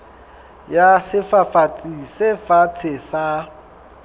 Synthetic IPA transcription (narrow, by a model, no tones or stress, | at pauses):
jasɪfafat͡sʼisɪfat͡sʰɪsa